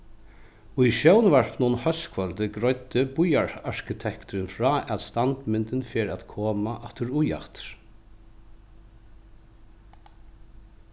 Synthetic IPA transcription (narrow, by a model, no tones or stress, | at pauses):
ujʃjœwnvɛɹpnuːnhœskʰvœlt̪ɪɡɾɔʏt̪ːɪbʊjaɹaɹ̥kɪt̪ʰɛkt̪ʊɾɪnfɾaːɛt̪st̪ant̪mɪnt̪ɪnfeːɾæt̪kʰoːmaʔat̪ʏɾuja̰ht̪ɾ̥